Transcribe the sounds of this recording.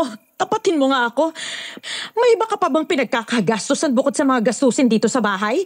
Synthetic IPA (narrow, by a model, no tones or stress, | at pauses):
k̪ɐpɐt̪ɪnmoŋaʔɐko̞ | mɐjʔɪbakɐpɐbaŋpɪnɐɡ̚kakaɡast̪osɐnbʊkod̪sɐmɐŋaɡɐst̪uːsɪnd̪iːt̪o̞sɐbaːɦɐj